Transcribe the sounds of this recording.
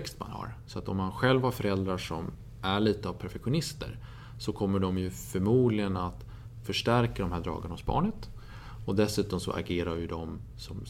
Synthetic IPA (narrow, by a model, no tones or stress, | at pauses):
kst̪ma̰nha̰ɾsɔat̪ɔmːanɧɛlvhaɾfœɾɛld̪ɾaʂɔm | ʔæɭiːt̪əavpʰæɾfɛkɧʊnɪst̪ə̰ɾ | sɔkʰɔmːəɖɔmjɵfœɾmuːd̪lɪɡənat̪ | fœʂʈæɾkad̪ɔmhæːɖɾɑ̰ːɡanahʊsbɑ̰ːɳət̪ | ɔd̪ɛsʉ̟ːt̪ɔmsɔ̰ʔa̰ɡeːɾaɾjɵd̪ɔm | sɔm